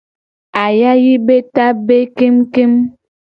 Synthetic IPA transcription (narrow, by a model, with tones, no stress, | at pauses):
a˨ja˦ji˦be˦ta˦be˦ke˦mke˦m